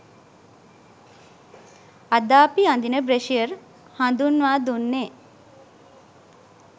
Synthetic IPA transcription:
ad̪aːpiand̪inəbɾeʃijəɾ | hand̪unʋaːd̪unːe

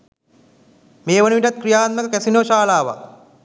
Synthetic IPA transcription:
meːʋənuʋiʈɐt̪̚kɾijaːt̪̚məkəkæsinoːʃaːlaːʋa̰

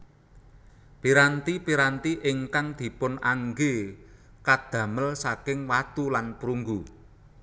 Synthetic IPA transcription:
piɾant̪ipiɾant̪iʔɪŋkaŋd̪̥i̤pʊnaŋɡe | kad̪̥ä̤məlsakɪŋwat̪ulanpɾuŋɡu

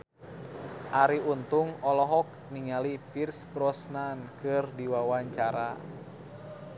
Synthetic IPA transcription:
ʔaɾiunt̪uŋɔlɔɦɔk̚ | niŋalipirsbɾɔsnankɨrdiwawaɲt͡ʃaɾa

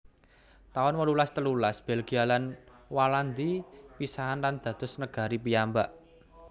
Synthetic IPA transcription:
t̪aɔnwəlulast̪əlulasb̥elɡ̥i̤jalan | waland̪ipisaɦanland̪̥ä̤d̪̥ʊsnəɡ̥a̤ɾipijambaʔ

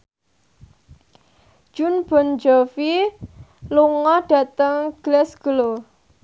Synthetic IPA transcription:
ʒ̥unb̥ɔ̤nd͡ʒɔfi | luŋɔɖ̥a̤t̪əŋɡ̥lɛsɡ̥əlo

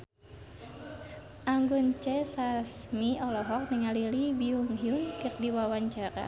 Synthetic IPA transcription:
ʔaŋɡunt͡ʃɛsasmiɔlɔɦɔk̚nɨŋalilibiuŋɦiunkɨr̚diwawaɲt͡ʃaɾa̰

